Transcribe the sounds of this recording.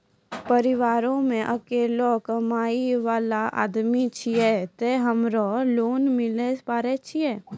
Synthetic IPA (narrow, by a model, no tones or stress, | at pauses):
pəɾɪʋaːɾõmẽʔɐkeːlɔkəmaːiʋaːlaʔa̰ːd̪mit͡ʃʰiɛt̪eɦɐmɾɔloːnmɪlespaːɾɛt͡ʃʰiɛː